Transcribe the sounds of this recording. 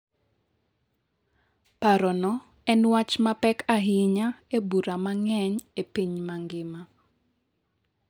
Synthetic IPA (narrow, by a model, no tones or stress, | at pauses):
paɾɔnɔ | ɛnwat͡ʃmapɛkaɦɪɲaebuɾamaŋɛɲepiɲmaŋɡɪma